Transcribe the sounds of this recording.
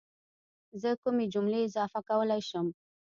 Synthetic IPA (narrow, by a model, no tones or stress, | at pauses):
zəkʊmed͡ʒʊmleɪzɑfakawəlajʃəm